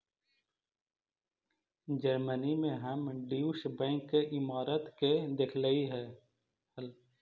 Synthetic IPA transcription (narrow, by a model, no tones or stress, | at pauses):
d͡ʒəɾmənimẽɦəmɖiːuʃbɛ̃ːŋkːeʔɪmaːɾət̪ked̪ɪkʰləiɦɛː | həl